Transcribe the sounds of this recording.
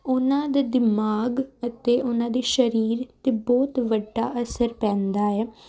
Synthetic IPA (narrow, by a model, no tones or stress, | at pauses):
ʊnãːd̪aːd̪ɪmaːɡət̪eːʔʊnãːd̪eːʃəɾiːɾt̪eːbɔːt̪ʋəɖːa̰ːʔəsəɾpɛ̃ːnd̪aːɛː